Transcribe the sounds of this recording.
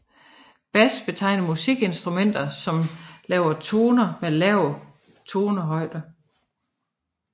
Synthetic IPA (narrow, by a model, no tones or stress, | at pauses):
b̥æsb̥e̝t͡sʰɑ̈ɪ̰nɐmusiɡ̥e̝nsd̥ʁumen̰d̥ɐsɒ̽mlɛːʊɐt͡sʰo̝ːnɐmelɛʊ̰ | t͡sʰo̝ːnəɦɒ̽ɪ̰d̥ɐ